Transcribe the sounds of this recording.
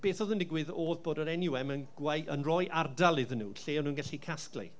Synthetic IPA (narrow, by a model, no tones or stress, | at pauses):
b̥eːθɔðəndɪɡwɨðoːðboːdəɾɛnjʊɛmənɡwajənrɔjʔardalˠɪðənṵːɬeːɔnuːnɡaɬikʰasklḭ